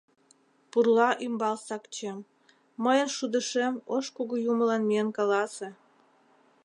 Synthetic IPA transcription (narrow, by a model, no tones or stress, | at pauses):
purlɑʔymbɑlsɑkt͡ɕemː | əjənʃud̪əʃemoʃkuɣujuməlɑnmiənkɑlɑse